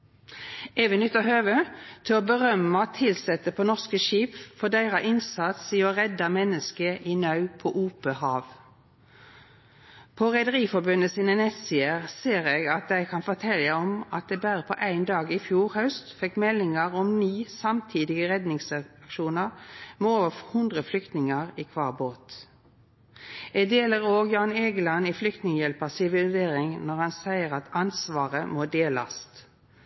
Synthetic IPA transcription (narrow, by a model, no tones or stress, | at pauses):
eːʋənʏt̪ːəɦøːʋət̪ʰɪlobəʁœmət̪ʰːɪlsɛt̪əpʰoːnɔʁskəʃiːpfɔd̪æɪʁɑʔɪnsɑt̪siːɔʁɛd̪ɑmɛnːəskəʔɪnɑʉpʰɔʔuːpəhɑːʋ | pʰɔʁɛɪd̪əʁiːfɔbʉnəsiːnənɛt̪sɪəʁseːʁeːɡɑt̪̚d̪æɪkʰɑnfɔt̪ʰɛləɔmɑt̪̚d̪ɛːbæːʁəpʰɔʔæɪnd̪ɑːɡɪfjuːʁhɑʉst̪fɛkmɛlɪŋəʁɔmniːsɑmt̪ʰiːd̪ɪɡəʁɛd̪nɪŋsɑkʃuːnəʁmɛoːʋəhʉnd̪ʁəflʏkt̪nɪŋəʁikʰʋɑːʁboːt̪ | ɛd̪eːləʁoːɡjɑːneːɡəlɑniflʏk̚t̪nɪŋəjɛlpəsɪʋɪlɪseːʁɪŋnɔʁhɑnsæɪəʁɑt̪ɑnsʋɑːʁəmoːd̪eːlɑ̰st̪